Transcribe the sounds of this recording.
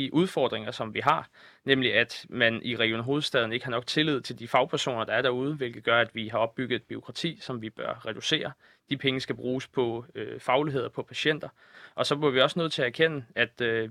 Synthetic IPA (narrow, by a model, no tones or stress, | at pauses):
iʔuð̞ˠfɒ̰ːd̥ʁeŋɐsɒ̽mʋiɦɑ̈nemliæd̥mænʔiʁɛɡ̥ionɦo̝ːð̩ˠsd̥ɛð̞ˠn̩e̝ɡ̥hɑ̈nɒ̽ɡ̥t͡sʰe̝lið̞̰ˠt͡sʰe̝ld̥ifɑ̈ʊpʰæɐso̝̰ːnɐd̥ɑ̈æɐɾ̥æɐuð̞ˠəʋe̝lɡ̥ð̩ˠɡ̥ɶɐæd̥ʋiɦɑ̈ɒ̽b̥ːyɡ̥ð̞̩ˠb̥yo̝kʰʁɑ̈t͡sʰḭːsɒ̽mʋib̥ɶɐʁɛd̥use̝̰ːɐ | d̥ipʰeŋəsɡ̥æb̥ʁuːspʰɒ̽øfɑ̈ʊlie̝ð̞̰ˠɐpʰɒ̽pʰæɕen̰d̥ɐ | ʔɒ̽sɒ̽b̥liɐʋiɒ̽sənøð̞̰̩ˠt͡sʰe̝ææɐkʰen̰əæd̥ø